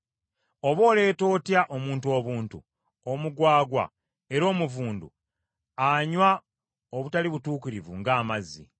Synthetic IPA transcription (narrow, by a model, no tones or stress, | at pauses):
o̞βo̞ːle̞ːto̞ːtjaʔo̞muːntuo̞ːβuːntṵ | omuɡwaːɡwa̰ | e̞ɾo̞ːmuvuːndṵ | aɲwa | oβutaliβutuːkiɾivṵŋɡaːmazḭ